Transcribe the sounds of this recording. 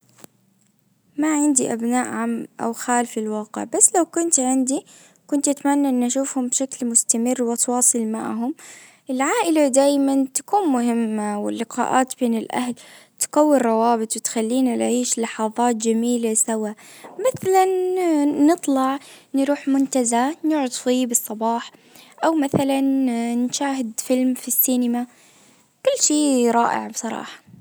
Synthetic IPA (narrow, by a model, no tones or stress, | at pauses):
maʕɪnd̪iʔabnaːʔʕamʔa̰wxaːlfilwɑːqɪ̰ʕbasːlawkʊnt̪ʕɪnd̪i | kʊnt̪ʔat̪manːaʔɪnːʔaʃuːfhʊmbʃaklmʊst̪amɪrːwʔɑsˤwɑːsˤɨlma̰ʕɦʊm | ʔɪlʕaːʔɪlad̪aːjmant̪ḁkuːnmʊɦɪmːawɪ̰lːɪqɑ̰ːʔaːt̪beːnɪlʔa̰hl | t̪ɡawːɪɾrɾˤɑwɑːbɪt̪ˤwɪt̪xalːiːnalʕiːʃlɑħɑðˤɑːt̪d͡ʒamiːlasawamaθalanː | ɨt̪ˤlɑʕnɾuːħmʊnt̪azanʊʕʊd̪ˤfiːbɨsˤːɑbɑːħ | ʔawmaθalannʃaːɦɪd̪fɪlmfisːiːnɪma | kʊlːʃiːɾˤɑːʔɪ̰ʕbsˤɑɾˤɑ̰ːħɑ̥